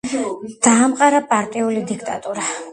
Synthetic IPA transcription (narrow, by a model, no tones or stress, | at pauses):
d̪̥aːmqʼaɾapʼaɾt̪ʼiulid̪ikʰt̪ʼat̪ʼuɾa